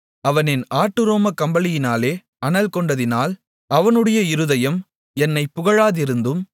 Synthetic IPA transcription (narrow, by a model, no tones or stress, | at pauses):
ɐʋɐnɪnaːʈːɯɾoːmɐkɐmbɐlɪjɪnaːleː | ɐnɐlkɔɳɖɐðɪnaːl | ɐʋɐnɯɽɐjɐɪɾɯðɐjɐm | ɛnːɐɪpːʊɣɐɻaːðɪɾɯnd̪ɯm